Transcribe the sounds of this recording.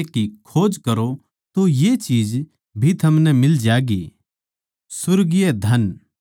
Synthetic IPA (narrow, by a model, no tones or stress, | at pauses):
kikʰoːd͡ʒkɐɾo | t̪ojet͡ʃiːd͡ʒ | bʱit̪ʰɐmnɛmɪld͡ʒaːɡi | sʊɾɡijɛd̪ʱɐn